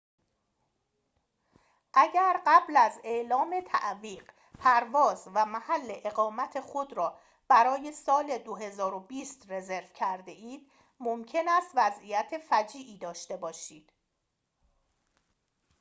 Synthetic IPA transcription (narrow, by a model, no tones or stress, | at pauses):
ʔæɟæɾɢæblæze̞ʔlɒːme̞t̪ʰæ̰ʔviːɢ | pʰæɾvɒːzvæmæhælːe̞ʔeɣɒːmæt̪ʰe̞xod̪ɾɒː | b̥æɾɒːje̞sɒːle̞d̪oɦe̞zɒːɾobiːst̪re̞ze̞ɾvcʰæɾd̪e̞ʔiːd̪̥̚ | momcʰe̞næst̪væzijæt̪ʰe̞fæd͡ʒiːʔiːd̪ɒːʃt̪e̞bɒːʃiːd̪̥